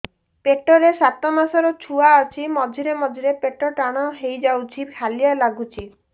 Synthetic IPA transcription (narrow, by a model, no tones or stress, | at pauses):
peʈɔɾesat̪ɔmasɔɾɔt͡ʃʰuaːt͡ʃʰimɔd͡ʒʱiɾemɔd͡ʒʱiɾepeʈɔʈaɽ̃ɔɦejd͡ʒawt͡ʃʰipʰalijalaɡut͡ʃʰi